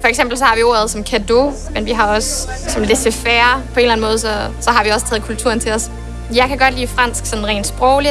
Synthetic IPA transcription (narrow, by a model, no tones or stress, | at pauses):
fɒ̽eɡ̥sem̰b̥l̩sɒ̽hɑ̈ʋio̝ɐðˠsɒ̽mkʰæd̥o̝ | menʋiɦɑ̈ɒ̽s | sɒ̽mled̥̚t͡sʰefæɐpʰɒe̝ːnlænmɔ̽ːðˠsɒ̽sɒ̽ɦɑ̈ʋiɒ̽st͡sʰɛːð̩ˠkʰult͡sʰuɐ̰n̩t͡sʰe̝lɒs | jɑ̈ɪkʰæɡ̥ɒ̽d̥liːfʁan̰sɡ̥sɒ̽n̩ʁɛ̰ːnd̥sb̥ʁɔʊli